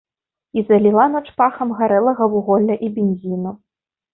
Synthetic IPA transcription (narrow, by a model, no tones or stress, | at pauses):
izɐlʲilˠanɔt͡ʂpaxɐmɣaɾɛlˠɐɣɐwuɣɔlʲːɐʔibʲenʲzʲinu